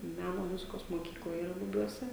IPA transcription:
ˈmʲænoː ˈmʊzʲɪkoːs moːˈkʲiːklˠɐ iːˈrɐ bʊˈbʲuɔsʲɛ

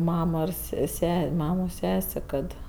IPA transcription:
ˈmɑːmoː ɪr ˈsʲɛ ˈsʲæːsʲeː ˈmɑːmoː ˈsʲæːsʲeː ˈkɐt

